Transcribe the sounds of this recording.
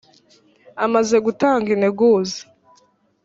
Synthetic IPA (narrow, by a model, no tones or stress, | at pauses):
amaze̞ɡutaːŋɡineɡuːzḁ